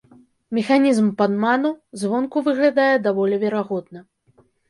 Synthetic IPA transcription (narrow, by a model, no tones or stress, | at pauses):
mʲɛxanʲizmpanmanuzvɔnkuvɨɣlʲad̪ajɛd̪avɔlʲɛvʲɛɾaɣɔd̪nɐ